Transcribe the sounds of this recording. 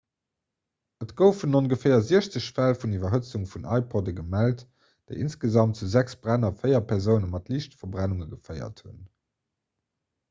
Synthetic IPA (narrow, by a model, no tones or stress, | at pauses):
ətɡ̥əʊfunonɡəfɛɪɐziəɕt͡səɕfælfundivɐɦət͡suŋfunʔɑ̰ɪpʰɔdəɡəmælt | d̥eɪinsɡəzɑmtt͡suzæksb̥ʁænɐfəɪjɐpʰɛʁzəʊnəmɑtliːɕtfɐbʁænuŋəɡəfɜɪɐ̰thṵn